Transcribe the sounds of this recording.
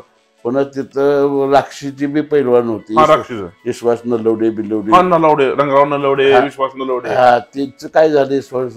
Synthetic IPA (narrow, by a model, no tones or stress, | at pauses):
pənat̪it̪əɾakʂit͡ɕibʱiːpəɦilʋanɦot̪iɦãɾakʂid͡zaʋiɕʋasnələwɽebiləwɽianːaləwɽeɾəŋɡɾawnːaləwɽeaʋiɕʋasnələwɽeɦãt̪it͡sekaid͡zʱaleiɕʋa